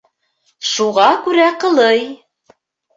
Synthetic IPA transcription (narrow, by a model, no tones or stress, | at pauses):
ʃuʁɑkʉɾæqɤ̆lˠɤj